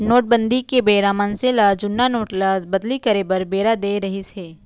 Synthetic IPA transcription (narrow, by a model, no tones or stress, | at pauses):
noːʈ̚bə̃nd̪ikebeːɾamənselad͡ʒʊnːanoːʈlabɐd̪likɐɾebɐɾbeːɾad̪eːɾɐɦiseː